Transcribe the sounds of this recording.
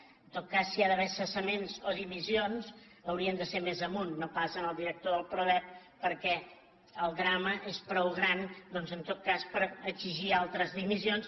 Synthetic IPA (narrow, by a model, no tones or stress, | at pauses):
ənt̪ot̪̚kasːiaðəβɛsəsəmenzoðimizionz | əwɾiənd̪əseɾmezəmunːopasənəlˠd̪iɾək̚t̪oðəlˠpɾoβɛp̚ːəɾkɛ | əlˠd̪ɾaməʔespɾɔwɣɾand̪ɔnzənt̪ot̪̚kaspəɾəziʒialˠt̪ɾəzðimizions